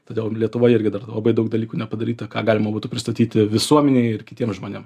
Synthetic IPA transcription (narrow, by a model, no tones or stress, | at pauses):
t̪oːd̪ʲɛʊlʲiɛt̪ʊʋoːjɪrʲɡʲɪd̪ɐrlˠɐbɐɪd̪ɐʊk̚d̪ɐlʲiːkuːnʲɛpɐd̪ɐɾʲiːt̪ɐkɑːɡɑːlʲɪmɐbuːt̪ʊpʲɾʲɪst̪ɐt̪ʲiːt̪ʲɪʋʲɪsuɔmʲɛnʲɛɪɪrkʲɪt̪ʲiɛmʒmoːnʲeːm